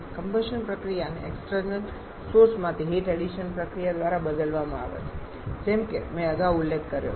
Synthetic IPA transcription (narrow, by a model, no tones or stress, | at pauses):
kəmbəʃənpɾəkɾijanḛeksʈəɾnəl | soɾsmãt̪ʰiɦeʈɛɽiʃənpɾəkɾijad̪ʋaɾabəd̪əlʋamãa̰ʋḛt͡ʃʰe̥ | d͡ʒemkemɛ̃əɡaʋulːekʰːəɾjo̰